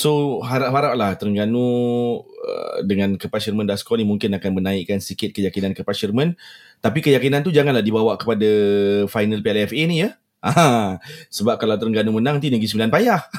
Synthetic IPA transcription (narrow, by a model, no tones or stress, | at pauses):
soɦaɾaʔɦaɾaʔ̚laht̪əɾəŋɡanu | ə̰dəŋankəpaʃərmə̃ndaskɔnimuŋkɪnakanmənãiʔkansəsikɪt̪̚kəjakinankəpaʃərmə̃n | t̪apikəjakinant̪̬ud͡ʒaŋanlahdibawaʔkəpadafajnəlpiɛlɛfenijə | ã | səbap̚kalawt̪əɾəŋɡanumənãŋt̪inəɡisəmbilanpajah